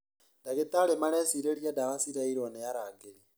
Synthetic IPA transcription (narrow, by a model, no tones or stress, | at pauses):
ndaket̪alemaɾɛsiɾeɾjadaɾasiɾaiɾonɛjaɾaɡei